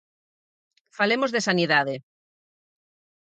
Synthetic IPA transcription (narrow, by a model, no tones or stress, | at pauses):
falemozðesaniðaðe